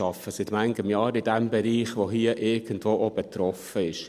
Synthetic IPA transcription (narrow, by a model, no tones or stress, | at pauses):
ɑfəsɪt̪mæŋɡəmjɑːɾɪd̥æmbɛɾiːχʋoɦiəʔɪɾɡ̥əndʋoːʔob̥et̪ɾɔfəɪʃ